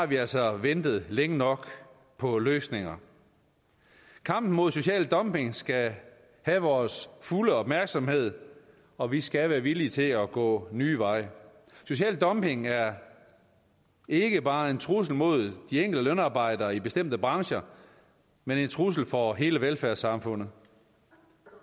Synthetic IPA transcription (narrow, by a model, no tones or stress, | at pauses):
hɑ̈ʋiæl̰sɒ̽ʋend̥ð̞̩ˠleŋənɒ̽ɡ̥ | pʰɒ̽løːsne̝ŋɐ | kʰɑ̈m̰b̥n̩mo̝ðˠso̝ɕɛ̰ːld̥ɒ̽mbe̝ŋsɡ̥æ | hæʋɒːsfuləɒ̽b̥mæɐɡ̥sɒ̽mhe̝ð̞̰ˠ | ɒ̽ʋisɡ̥æʋæːɐʋiliət͡sʰe̝lɒɡ̥ɔ̰̽ːnyːʋɑ̈ɪ̰ | so̝ɕɛ̰ːld̥ɒ̽mpe̝ŋæɐ | e̝ɡ̥əb̥ɑ̈ːe̝nt͡sʰʁus̬l̩mo̝ð̞̰ˠd̥ieŋ̰ɡ̥l̩dəlønɑ̈ːb̥ɑ̈ɪ̰d̥ɐːib̥e̝sd̥em̰d̥əb̥ʁɑ̈ŋɕɐ | mene̝nt͡sʰʁus̬l̩fɒ̽ɦe̝ːləʋelfæɐsɑ̈mfɔ̽n̰ð̩ˠ